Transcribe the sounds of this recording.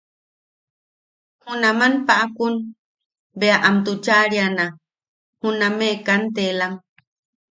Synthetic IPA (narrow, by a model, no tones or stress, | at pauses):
hunamanpaʔakun | beaʔamt̪ut͡ʃaɾiana | hunamekant̪̬elaŋ